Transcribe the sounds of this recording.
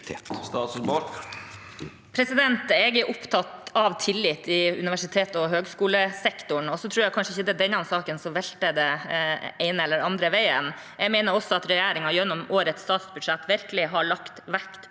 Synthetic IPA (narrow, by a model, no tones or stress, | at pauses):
t̪st̪ɑːt̪sbɔɾ | pʰɾɛsɪd̪ɛnt̪ɛɡæʔʊpt̪ʰɑt̪ɑʋt̪ʰɪlːɪt̪ːɪʉ̰nɪʋæʂɪt̪ʰeːt̪ɔɦøːɡskuːləsɛkt̪ʊɳɔsɔt̪ʰɾuːɾjækʰɑnʂəɪçəd̪ɛd̪ɛnːɑɑnsɑːkənsɔʋɛlt̪əd̪ɛ | ɛɪnəɛlːəɾɑnd̪ɾəʋæɪən | jɛɡmɛɪnəɾɔsɔɑt̪ɾɛjæːɾɪŋɑjɛnːɔmoːɾət̪st̪ɑːt̪sbʉd̪ʂɛt̪ːʋɪɾkəlɪɦɑɭɑkt̪ʋækt̪